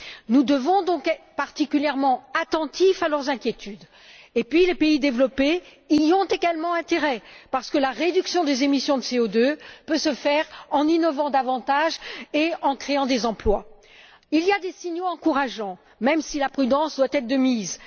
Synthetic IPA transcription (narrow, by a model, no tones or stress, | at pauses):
nud̪əvɔ̃d̪ɔ̃kɛt̪paʁt̪ikʲyljɛʁmɑ̃at̪ɑ̃t̪ifalœʁzɛ̃kʲjet̪ʰyd̪ | epɥilepeid̪evlɔpe | iɔ̃t̪eɡalmɑ̃ɛ̃t̪eʁɛpaʁsə̥kəlaʁed̪yksjɔ̃d̪ezemisjɔ̃d̪əseod̪øpøsəfɛʁɑ̃ninɔvɑ̃d̪avɑ̃t̪aʒeɑ̃kχeɑ̃d̪ezɑ̃plwa | ilijad̪esiɲjoɑ̃kuʁaʒɑ̃ | mɛmsilapχyd̪ɑ̃sd̪wat̪ɛt̪χd̪əmiz